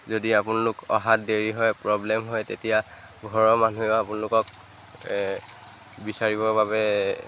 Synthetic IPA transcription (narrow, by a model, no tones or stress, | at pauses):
zodiapʊnalʊkɔ̰ɦat̚deɹiɦɔjpɹɔblɛmɦɔjtetija | ɡʱɔɹɔmanueʊapʊnalʊkɔk | bisaɹibɔɹbabɛ